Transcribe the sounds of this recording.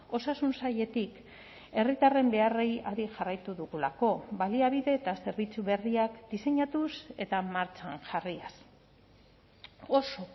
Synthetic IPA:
o̞sasunsaje̞t̪ik | e̞rit̪are̞mbe̞are̞jaɾiʝarajt̪uðuɣulako̞baliaβ̞iðe̞ːt̪ase̞ɾβit͡suβe̞riakd̪ise̞ɲat̪use̞t̪amaɾt͡ʃanʝarias | o̞so̞

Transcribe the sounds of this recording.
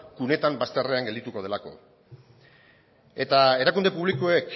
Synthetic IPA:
kune̞t̪ambast̪eare̞aŋɡeld̪it̪uko̞ð̞e̞lako̞̰ | e̞t̪ae̞ɾakund̪e̞puβlikoek

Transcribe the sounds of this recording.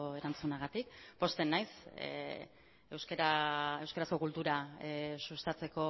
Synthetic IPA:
e̞ɾant͡sunaɣ̞at̪ikpo̞st̪e̞nːajs | ewskeɾaewskaɾasko̞kult̪uɾasust̪at͡se̞ko̞

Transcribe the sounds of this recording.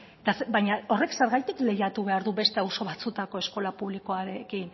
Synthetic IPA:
t̪asbajɲao̞re̞kseɾɣajt̪ikle̞jat̪uβe̞aɾðube̞st̪e̞awso̞βat͡sut̪ako̞esko̞lapuβlikoaɾe̞kin

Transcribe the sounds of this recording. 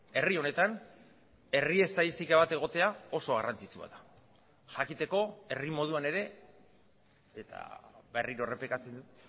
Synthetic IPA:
e̞rio̞ne̞t̪an | e̞rie̞st̪aðist̪ikaβ̞at̪e̞ɣ̞o̞t̪e̞ao̞so̞ɣ̞arant͡sit͡sua̰ða | ʝakit̪e̞ko̞e̞rimo̞ð̞uane̞ɾe̞ | et̪a̰βe̞riɾo̞re̞plekat͡se̞nd̪ut̪

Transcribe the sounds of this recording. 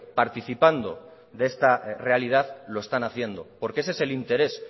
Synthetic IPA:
paɾt̪iθipand̪o̞̰ | ðee̞st̪are̞alið̞aðlo̞e̞st̪anaθje̞nd̪o̞po̞ɾkees̬e̞se̞lint̪e̞ɾe̞s

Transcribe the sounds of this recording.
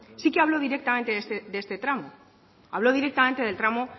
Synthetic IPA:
sikeaβlo̞ð̞iɾek̚t̪ament̪eest̪ðest̪e̞t̪ɾamo | aβlo̞ð̞iɾek̚t̪ament̪e̞ð̞e̞lt̪ɾamo̞

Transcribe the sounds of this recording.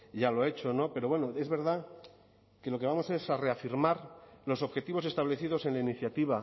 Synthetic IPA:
jalo̞e̞t͡ʃo̞no̞pe̞ɾo̞βwe̞noe̞zβe̞ɾða | ke̞lo̞ke̞β̞amo̞se̞sare̞afiɾmaɾlo̞s̬o̞βxe̞t̪iβo̞s̬e̞st̪aβle̞θiðo̞se̞nlainiθjat̪iβ̞a

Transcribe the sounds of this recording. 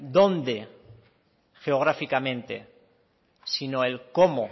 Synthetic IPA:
d̪o̞nd̪e | xeoɣ̞ɾafikamẽ̞nt̪e̞̰ | sinoelko̞mo

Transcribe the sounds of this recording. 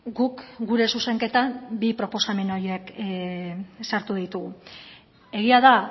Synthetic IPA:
ɡukɡuɾe̞suse̞ŋke̞t̪ambipɾo̞po̞same̞no̞je̞k | saɾt̪uð̞it̪uɣu | e̞ɣiað̞a

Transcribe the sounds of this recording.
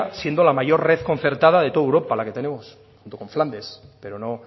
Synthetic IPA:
sje̞nd̪o̞lamaʝo̞ɾre̞θko̞nθe̞ɾt̪að̞aðe̞t̪o̞ðewɾo̞palake̞t̪e̞ne̞mos | xunt̪oko̞ɱfland̪e̞spe̞ɾono̞

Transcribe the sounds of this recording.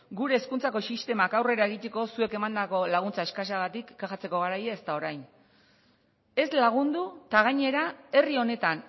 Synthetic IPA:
ɡuɾe̞ːskunt͡sako̞sist̪e̞makawre̞ɾae̞ɣit̪e̞ko̞sue̞ke̞mand̪ako̞laɣ̞unt͡sae̞skas̬aɣat̪ikːaxat͡se̞ko̞ɣ̞aɾajaest̪ao̞ɾajn | e̞slaɣ̞und̪ut̪aɣ̞aɲe̞ɾae̞rio̞ne̞t̪an

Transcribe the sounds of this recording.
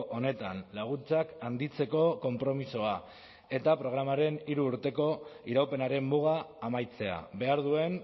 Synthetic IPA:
ʔo̞ne̞t̪anlaɣ̞unt͡sakand̪it͡se̞ko̞ko̞mpɾo̞miso̞a | e̞t̪apɾo̞ɣ̞ɾamaɾe̞niɾuːɾt̪e̞ko̞iɾawpe̞naɾe̞mːuɣ̞aːmajt͡se̞a̰be̞aɾðue̞n

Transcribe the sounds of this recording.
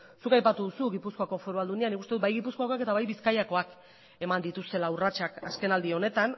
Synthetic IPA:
sukajpat̪uðusuɣipusko̞ako̞foɾuβald̪unianikust̪eubajɣipusko̞ako̞ake̞t̪aβajβiskajako̞ak | e̞mand̪it̪ust̪e̞laurat͡ʃakaske̞nald̪io̞ne̞t̪an

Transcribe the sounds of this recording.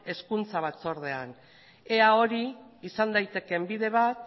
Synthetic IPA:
e̞skunt͡saβat͡so̞ɾðe̞an | e̞ao̞ɾiːsand̪ajt̪e̞ke̞mbiðe̞β̞at̪

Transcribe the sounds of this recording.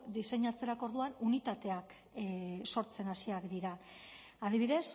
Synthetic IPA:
d̪ise̞ɲat͡se̞ɾako̞ɾð̞uanunit̪at̪e̞ak | so̞ɾt͡se̞nasiakd̪iɾa | aðiβ̞iðe̞s

